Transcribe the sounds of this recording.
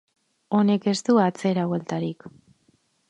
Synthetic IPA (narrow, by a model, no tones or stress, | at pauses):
o̞ne̞ke̞st̪uat͡se̞ɾawe̞lt̪aɾik